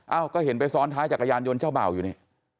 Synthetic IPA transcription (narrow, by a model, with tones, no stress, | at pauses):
ʔaː˧˩wkɔː˥˩he˩˦npa˧jsɔː˦˥nt̪ʰaː˦˥t͡ɕaː˨˩k̚ʔa˧jaː˧njo˧nt͡ɕʰaː˥˩wba̰ː˨˩wjuː˨˩na˨˩